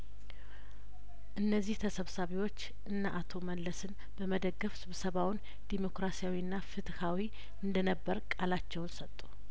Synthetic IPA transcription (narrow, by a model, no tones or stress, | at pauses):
ʔɨnːəzːiht̪ʰəsəβsaβiwo̞t͡ʃː | ʔɨnːaʔat̪ʰo̞mənləsɨn | b̥əməd̪əɡːəfsɨβsəβawn | d̪̥imo̞kɾasijawiɨnːafɨt̪ʼhawi | ʔɨnd̪ənəbːəɾkʼalat͡ʃːɛwnsət̪ʼːu̥